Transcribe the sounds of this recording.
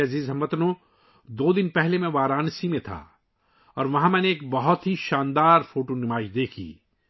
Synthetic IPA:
ɐziːzɦɐ̃mʋət̪nõ | d̪oːd̪ɪnpɛɦlemẽʋaːɾaːnsimẽt̪ʰa̰ː | ɔːɾʋɐɦãmɛ̃ːneːk̚bɐɦʊt̪ɦiʃãːnd̪aːɾfoːʈonɪmaːɪʃd̪eːkʰḭː

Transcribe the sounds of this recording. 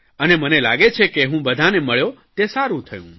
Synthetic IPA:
ənemənela̰ɡet͡ʃʰekeɦũbəd̪ʱaneməɭjot̪esaɾũt̪ʰəjṵ̃

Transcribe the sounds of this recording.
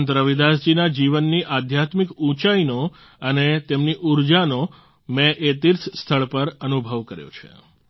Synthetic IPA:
nt̪ɾəʋid̪asd͡ʒinad͡ʒiʋənːiʔad̪ʱjat̪mikũt͡ʃaino | ənet̪emniʔuɾd͡ʒano | mɛʔet̪iɾsst̪ʰəɭpəɾənubʱəʋkəɾjo̰t͡ʃʰḛ

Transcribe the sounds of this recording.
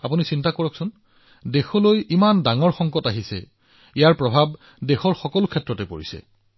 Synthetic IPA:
apunisintakɔɹɔksʊn | dexɔlojʔimandaŋɔɹxɔŋkɔtaɦisɛ̰ | ijaɹpɹɔbʱab | dexɔɹxɔkɔlʊkʰɛtːɹɔtɛpo̰ɹḭsɛ̰

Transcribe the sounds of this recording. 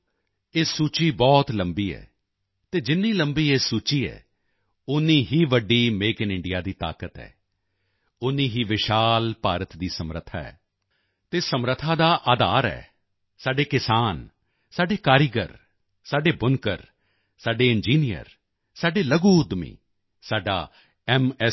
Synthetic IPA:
eːsuːt͡ʃiːbɔːt̪ləmbiːɛ̰ː | t̪eːd͡ʒɪnːiːləmbiːeːsuːt͡ʃiːɛ̰ː | ʊnːĩːɦiːʋəɖiːmeːkɪnɪ̃ɳɖɪjaːd̪iːt̪a̰ːkət̪ɦɛ̰ː | ʊnːiːɦiːʋɪʃaːlpaːɾət̪d̪iːsəmɾə̰t̪ʰːa̰ːɛ̰ː | t̪eːsəmɾət̪ʰːãːd̪aːʔaːd̪aːɾɛ̰ː | saːɖeːkɪsaːn | saːɖeːkaːɾɪɡəɾ | saːɖeːbʊnkəɾ | saːɖeːɪnd͡ʒiːnijə̰ɾ | saːɖeːləɡuːd̪mḭː | saːɖa̰ː | ɛmɛ

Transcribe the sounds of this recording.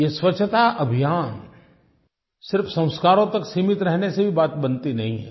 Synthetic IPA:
jeswɐt͡ʃʰːt̪aʔɐbʱijaːn | sɪɾfsɐ̃w̃skaːɾõt̪ɐksiːmɪt̪ɾɛɦnesebʱibaːt̪bɐnt̪inɐɦĩɦɛ̰ː

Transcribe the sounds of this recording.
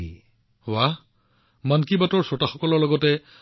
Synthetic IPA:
i | wa | mankibatɔɹsɔtaxɔkɔlɔɹlɔɡɔtɛ

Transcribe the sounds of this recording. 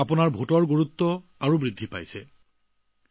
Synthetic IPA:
apʊnaɹbʱutɔɹɡoɹut̪ːɔaɹubɹid̪ʱːipa̰jsɛ

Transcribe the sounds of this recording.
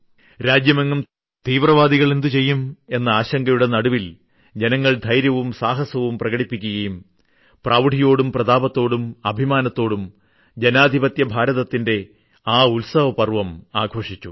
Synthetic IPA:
ɾaːd͡ʑjɐmeŋɡum | t̪iːʋrɐʋaːd̪iɣɐɭend̪ɨt͡ɕe̞jːume̞nːɐaːɕɐŋɡɐjuɽenɐɽuʋil | d͡ʑe̞nɐŋːɐɭd̪ʱɐjɾjɐʋumsaːɦɐsɐʋumprɐɣɐɽipːikʲːuɣɐjum | praːʋɖʱijo̞ːɽumprɐd̪aːbɐt̪ːo̞ːɽumɐbʱimaːnɐt̪ːo̞ːɽum | d͡ʑenaːd̪ʱibɐt̪jɐbʱaːɾɐðɐt̪ːinde̞ | aːulsɐʋɐpɐrʋɐmaːɡʱo̞ːʂit͡ɕːu

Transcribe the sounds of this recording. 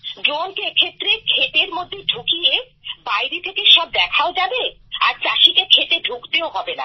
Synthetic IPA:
ɖɾonkeekʰet̪ːɾekʰet̪eɾmod̪ʱːeɖʱukije | bajɾit̪ʰekeʃɔb̚d̪ɛkʰaod͡ʑabea̰ɾt͡ɕaʃikekʰet̪eɖʱukt̪eoɦɔbena̰

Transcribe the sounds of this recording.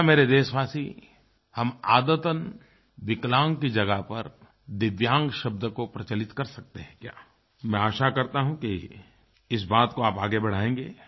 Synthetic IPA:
meːɾed̪eːʃʋaːsi | hɐma̰ːd̪ət̪ən | ʋɪklãːŋɡkid͡ʒɐɡapɐɾ | d̪ɪʋjãːŋɡʃɐb̚d̪əkopɾɐt͡ʃɐlɪt̪kɐɾsɐk̚t̪eɦɛ̃kjaː | mɛ̃aːʃakɐɾt̪aɦũki | ɪs̬baːt̪koaːpaːɡebɐɽ̤aːẽːŋɡeː

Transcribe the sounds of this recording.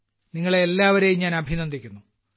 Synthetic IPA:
niŋːɐɭelːaːʋɐɾejumɲaːnɐbʱinɐnd̪ikʲːunːu

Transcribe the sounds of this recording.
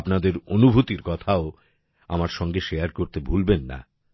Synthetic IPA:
pnad̪eɾonubʱut̪iɾkɔt̪ʰao | amaɾʃɔŋɡeʃejaɾkoɾt̪ebʱulbenːa̰

